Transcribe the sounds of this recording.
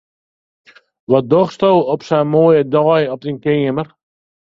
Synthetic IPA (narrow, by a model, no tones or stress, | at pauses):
ʋɔt̚d̪ɔχst̪owɔpsɛmoːjədɔːjɔp̚dinkeːəmər